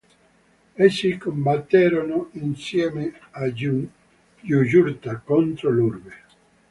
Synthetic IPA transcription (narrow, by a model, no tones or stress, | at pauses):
esːikombat̪ːɛːɾonoinsjɛːmea | jud͡ʒuɾt̪akont̪ɾolurbe